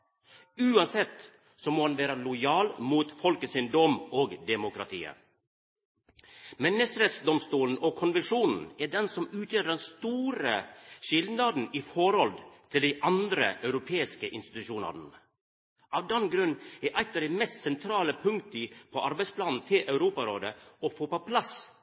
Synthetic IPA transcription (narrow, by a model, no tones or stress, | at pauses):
ʉːɑnsɛt̪ | sɔmoːhɑnʋeːɾɑlʊjɑːlmuːt̪fɔlkəsɪnd̪ɔmoːɡd̪ɛmʊkʰɾɑ̰t̪ʰḭːə̰ | mɛnːəʃɾɛt̪sd̪ɔmst̪uːln̩ɔkʰɔnʋɛnʂuːnn̩æɖɛnsɔmʉːt̪ʰjøːɖɛnst̪uːɾəʂɪld̪nɑd̪n̩ɪfɔɾɔlt̪ʰɪld̪ɪʔɑnd̪ɾə̰ʔœʉɾʊpʰeːɪskəʔɪnst̪ɪ̥t̪ʉʃuːnɑ̰ɾ | ʔɑʋd̪ɛnɡɾʉnːɛʔɑɪt̪ːɑɖɛmɛst̪sɛnt̪ʰɾɑːləpʰʉŋt̪əpʰɔʔɑɾbæɪspʰlɑnn̩t̪ʰɪlʔɑʉɾuːpɑɾoːd̪əɔfoːpɔpʰlɑs